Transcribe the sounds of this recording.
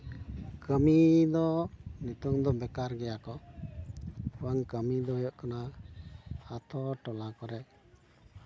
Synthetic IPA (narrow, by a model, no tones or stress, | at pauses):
kəmid̪ɔnut̪uŋd̪ɔbɛkaɾɡɛjakɔ | uwaŋkəmid̪ɔɦɔjɔʔkana | at̪ʰɔʈɔlakɔɾɛʔ